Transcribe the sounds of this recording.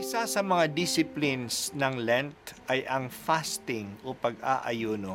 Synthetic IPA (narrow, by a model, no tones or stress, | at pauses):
ʔɪsasɐmɐŋad̪isɪplɪnsnɐŋlɛnt̪ʔɐjʔɐŋfast̪ɪŋʔopɐɡaʔɐjoːno